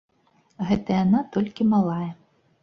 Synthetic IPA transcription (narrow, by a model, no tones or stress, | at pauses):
ɣɛt̪ɐjanat̪ɔlʲkʲimalˠajɛ